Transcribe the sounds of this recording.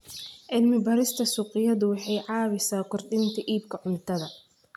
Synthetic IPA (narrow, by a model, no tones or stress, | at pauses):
ʕɪlmɪbɐɾɪst̪ʰɐsuːqʼɪjɐðʊwɑħɑjʕɑːβɪsaːkʰʊrdɪnt̪ʰɐʔiːbkʰɐʕʊnt̪ʰɐðɐ